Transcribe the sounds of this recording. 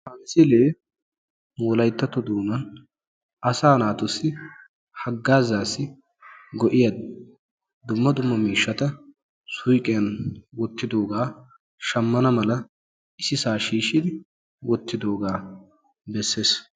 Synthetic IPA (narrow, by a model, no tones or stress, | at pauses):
hɐnsɪleː | moːlɐjt̪ːɐt̪ɔd̪uːmɐn | ɐsaːnaːt̪ʊsːɪ | hɐɡːaːzaːsːɪ | ɡɔʔɪjɐd̪ | d̪ʊmːɐd̪ʊmːɐmiːʃːɐt̪ɐ | sʊjkʼɛjɐnwɔt̪ːɪd̪o̞ːɡaː | ʃɐmːɐnɐmɐlɐ | ɪsɪsaːʃiːʃɪd̪ɪ | wɔt̪ːɪd̪o̞ːɡaː | bɛsːeːs